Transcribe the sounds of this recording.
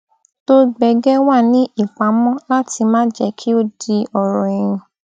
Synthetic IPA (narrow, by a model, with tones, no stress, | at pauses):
to˦ɡ͡bɛ˧˦ɡɛ˦wa˦˨nĩ˨˦i˦˨k͡pa˨˦mɔ̃˦la˦ti˧mãː˦d͡ʒɛ˧˦kʰi˦o˦di˧ɔ˨ɾɔ˨ĩ˨ɾ̃ĩ˨